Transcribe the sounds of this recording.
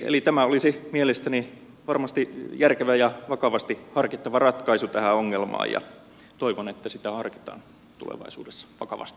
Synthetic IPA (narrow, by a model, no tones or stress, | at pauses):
ḛlit̪æmæolisimielest̪æni | ʋɑrmɑst̪ijærkeʋæjɑʋɑkɑʋɑst̪ihɑrkit̪ːɑʋɑrɑt̪kɑisut̪æhæoŋːelmɑ̰ːjɑ̰ | t̪oiʋonet̪ːæsit̪æhɑrki̥t̪ɑ̰ːn | t̪ṵlḛʋɑ̰isṵːdesːɑ̥ʋɑkɑ̰ʋɑ̰st̪i̥